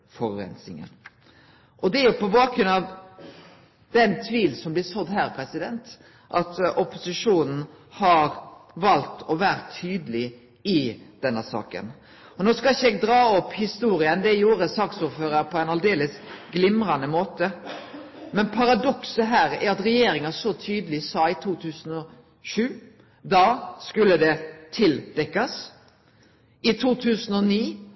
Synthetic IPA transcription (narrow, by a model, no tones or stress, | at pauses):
fɔɾɛ̰nsɪ̰ŋə̰n | ʔɔd̪ɛæɾjʊpɔbɑːkʰɾʉnɑʋ | d̪̥ɛnt̪ʰʋiːlsɔmblɪsɔd̪hæːɾpʰɾɛsɪd̪ɛnt̪ | ʔɑt̪ɔpʊsɪʂuːnn̩hɑɾʋɑlt̪ɔʋæːɾt̪ʰːyːd̪əlɪ | ɪd̪̥ɛnːəsɑ̰ːkə̰n | ɔnoːskɑlɪçəɛːɡ̚d̪ɾɑːɔpːhɪst̪uːɾɪənd̪ɛjuːɾəsɑksʊːɾføːɾəɾpʰɔæɛɪnɑld̪eːləsɡlɪmɾɑnəmoːt̪ə | mɛnpʰɑɾɑd̪ɔksəɦæːɾæɾɑt̪ɾɛjeːɾɪŋɑsɔt̪ʰyːd̪əlɪsɑːɪt̪ʰuːt̪ʰʉːsən̩ɔ | ʃʉː | d̪ɑːskʉlːəd̪ɛt̪ʰɪld̪̥ɛkːɑs | ɪt̪ʰuːt̪ʰʉːsənɔniː